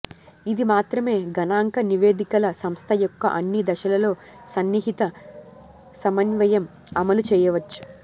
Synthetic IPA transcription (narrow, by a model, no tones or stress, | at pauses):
id̪imaːt̪ɾɐme̞ːɡɐnaːŋkɐniʋe̞ːd̪ikɐlɐsɐmst̪ʰɐjɔkːɐ̰ʔɐnːid̪ɐʃɐlɐlo̞ːsɐnːiɦit̪ɐ | sɐmɐnʋɐjɐm | ɐmɐlut͡ʃɛːjɐʋɐt͡ʃːu̥